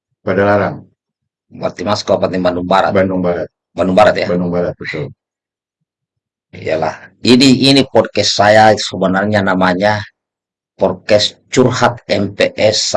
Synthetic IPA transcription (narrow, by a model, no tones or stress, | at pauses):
padalaɾaŋ | ba̰rt̪imaskapaniŋbanduŋbaɾa̰tbanduŋbaɾat̪̚ | banduŋmbaɾat̪̚jabanduŋbaɾat̪̚bət̪ul | ja̰la̰hiniːnipɔrkɛsːajasɔbənarɲanamaɲa | pɔrkɛst͡ʃurhat̪ɛmpɛʔɛs